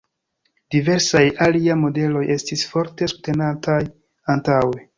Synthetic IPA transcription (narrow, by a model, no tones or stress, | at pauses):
d̥ive̞ɾsajaliamo̞de̞lo̞je̞stisfo̞ɾte̞sute̞natʰaj | antawe